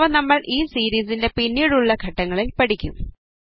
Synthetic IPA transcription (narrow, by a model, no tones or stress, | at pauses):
ʋɐnɐmːɐɭʔiːsiːɾiːs̬inde̞pinːjiɽuɭːɐɡʱɐʈːɐŋːɐɭilpɐɽikʲːum